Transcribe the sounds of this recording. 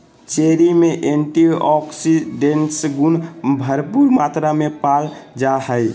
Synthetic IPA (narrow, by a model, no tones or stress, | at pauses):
t͡ʃeɾimeʔeɳʈiʔɔksiɖeɳʈsɡunbʱəɾpuɾmat̪ɾamepald͡ʒahəj